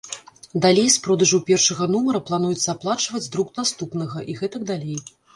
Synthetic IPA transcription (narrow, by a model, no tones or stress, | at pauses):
d̪alʲejspɾɔd̪ɐʐɐwpʲɛrʂɐɣɐnumɐɾɐplˠanujɛt̪sːɐaplˠat͡ʂvɐd͡zʲd̪ɾuknast̪upn̪ɐɣɐʔiɣɛt̪ɐɡd̪alʲej